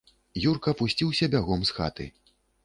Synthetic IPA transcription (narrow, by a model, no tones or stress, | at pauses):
jurkɐpusʲt͡sʲiwsʲɐbʲaɣɔmsxa̰t̪ɨ̰